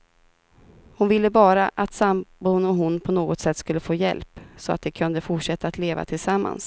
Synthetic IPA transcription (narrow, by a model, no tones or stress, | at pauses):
hʊnvɪlːəbɑːɾaʔat̪sambuːnɔɦʊnpʰɔnoːɡɔt̪sɛt̪ːskɵlːəfoːjɛ̰lpsɔa̰t̪̚d̪ɛkʰɵnd̪əfʊʈʂɛt̪ːaːt̪leːva̰t̪ʰɪlsamːa̰ns